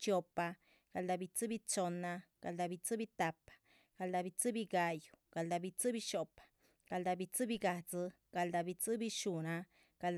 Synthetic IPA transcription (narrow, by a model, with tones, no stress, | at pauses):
t͡ʃo˧pa˧ | ɡ̥a˨ld̪a˧bi˧t͡sɨ˦bi˦t͡so˧na˧ɡ̥a˨ld̪a˧bi˧t͡sɨ˦bi˧t̪a˧pḁ˨ | ɡ̥a˨ld̪a˧bi˧t͡sɨ˦bi˧ɡa˧ju̥˨ɡ̥a˨ld̪a˧bi˧t͡sɨ˦bi˧ʃo˧pḁ˨ | ɡ̥a˨ld̪a˧bi˧t͡sɨ˦bi˧ɡa˧d͡zɨ˧ | ɡ̥a˨ld̪a˧bi˧t͡sɨ˦bi˧ʃu˨na˧ | ɡ̥a˨l